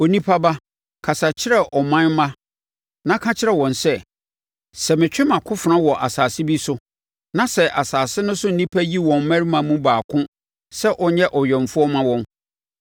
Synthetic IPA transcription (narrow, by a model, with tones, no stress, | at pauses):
o˨nĩ˦pʰa˦ba˦ | kʰa˨sa˨t͡ɕʰɪ˦ɾɛ˦ʔɔ˨mã˦nmã˦ | nã˦kʰã˦t͡ɕʰɪ˦ɾɛ˦˨wɔ̃˨nsɛ˦ | sɛ˨mɪ̃˨t͡ɕᶣɪ̃˦mã˨kʰʊ̃˦fnã˦wɔ˨ʔa˨saː˨sɪ˦bi˦sʊ˦ | nã˨˦sɛ˨ʔa˨saː˨sɪ˦nʊ̃˦sʊ̃˦n̩˨˦nĩ˦pʰæ˦ji˦wɔ̃˨m˨mæ̃˦ɾi˦mã˨mũ˦baː˨kʰʊ̃˦ | sɛ˦ʔɔ˨˦ɲɛ˦ʔɔ˨ɥɛ̃˨ɱ˨fʊ˦ɔ˦mã˦wɔ̃˦n